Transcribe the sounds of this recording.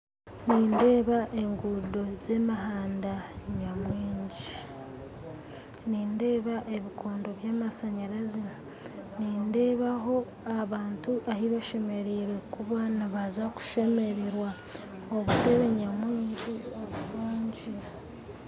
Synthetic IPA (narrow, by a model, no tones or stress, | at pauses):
niːnde̞ːβaʔe̞ŋɡudo̞ze̞maɦaːndaɲamwiːɲɟi | niːnde̞ːβaʔe̞βiko̞ːndo̞βjaːmasaɲaɾazi | niːnde̞ːβaɦo̞ | aβaːntuʔahiβaʃe̞me̞ɾiːɾe̞kuβanaβazaku̥ʃe̞me̞ɾeɾwa | oβute̞βe̞ɲamwiːɲɟiaβuɾuːɲɟi